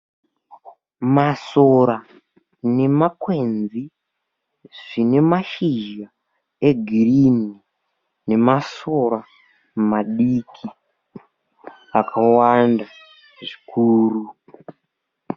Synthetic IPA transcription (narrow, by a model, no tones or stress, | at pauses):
masoɾa | ne̞makwe̞nd͡zi | ʐ̥ine̞maʃiʒa | e̞ɡʱirini | ne̞maso̞ɾa | maɗikʰi | akʰawanda | ʐikʰuːru